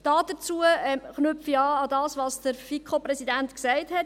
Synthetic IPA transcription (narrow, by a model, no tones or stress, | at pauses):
d̥ɑːd̥ət͡suːəɛχnʏpfiɑːɑdɑːsʋɑːsd̥əɾfikʰχopɾɛsidæntksɛɪthɛt